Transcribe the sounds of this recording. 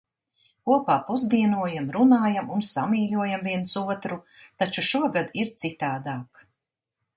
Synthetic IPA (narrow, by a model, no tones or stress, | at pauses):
kuɔpaːpuzd̪iɛnuɔjamɾunaːjamunsamiːʎuɔjamviɛnsuɔt̪ɾut̪at͡ʃuʃuɔɡad̪iɾt̪sit̪aːd̪aːk